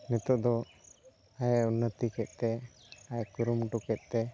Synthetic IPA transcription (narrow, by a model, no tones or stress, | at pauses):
nɛt̪ɔʔd̪ɔ | ajunət̪ikɛt̪̚ˀt̪ɛ | ajkuɾumʈukɛt̪̚ˀt̪ɛ